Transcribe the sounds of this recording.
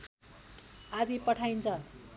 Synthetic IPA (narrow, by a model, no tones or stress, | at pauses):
ad̪ipʌʈʰajnt͡sʰʌ